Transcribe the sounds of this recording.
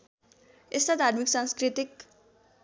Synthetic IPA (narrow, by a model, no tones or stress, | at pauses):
est̪ad̪ʱarmiksãnskrit̪ik